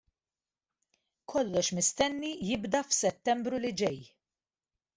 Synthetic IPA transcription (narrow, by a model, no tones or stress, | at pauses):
kʰɔlːɔʃmɪst̪ɛnːijɪbd̪ɐfsɛt̪ːɛmbɾulɪd͡ʒɛj